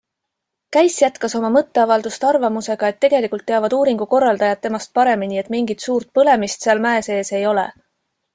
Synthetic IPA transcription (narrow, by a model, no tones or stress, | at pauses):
kæjsjæt̪kɑso̞mɑmɤt̪ːe̞ɑvɑld̪ust̪ɑrvɑmuse̞ɡ̥ɑe̞t̪ːe̞ɡ̥e̞likult̪ːeɑvɑd̪uːɾiŋɡ̥uko̞rːɑld̪̥ɑjɑt̪̚ːe̞mɑst̪̚pɑɾe̞minie̞t̪miŋɡ̥it̪suːɾt̪̚pɤle̞mist̪seɑlmæese̞ːse̞jo̞lḛ